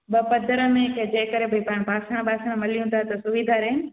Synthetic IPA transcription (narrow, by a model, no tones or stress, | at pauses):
bɐpɐd̪ʱəɾəmẽked͡ʑẽːkəɾebʱɐipaːɽ̃paːsəɽ̃baːsəɽ̃mɐlijũt̪ʰat̪ɐsʊʋid̪ʱaɾeːnɪ̆